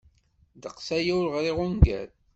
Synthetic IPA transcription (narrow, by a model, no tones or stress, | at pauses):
d̪əqsæjæwɾʁɾiʁʊnɡæ̰ɾ